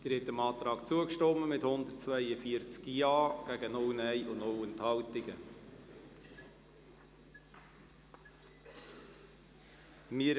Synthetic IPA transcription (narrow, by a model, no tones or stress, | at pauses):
d̥əɾɛt̪əmɑːt̪ɾɑːkt͡suəkʃtɔməmɪthʊnd̪ətt͡svœɪəfiəɾt͡skjɑːɡ̥æɡənɔwnɛɪʔʊnnowənthɑltɪɡə | mɪ